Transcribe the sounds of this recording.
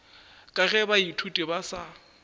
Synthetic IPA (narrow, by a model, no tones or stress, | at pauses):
kʼaɣɛbaitʰutʼɪbasa